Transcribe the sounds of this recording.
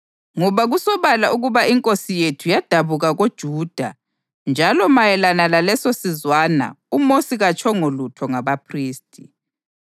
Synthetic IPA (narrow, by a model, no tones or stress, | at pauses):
ŋɔβaɣusɔβalauɣuβaiŋkʼosijetʰujad̥ʱaβuɣaɣod̥ʒ̥ʱuːd̥ʱa | nd͡ʒʱalɔmajɛlanalalɛsosizwaːna̰umosiɣat͡ʃʰʼɔŋolutʰɔŋaβapʰriːstʼi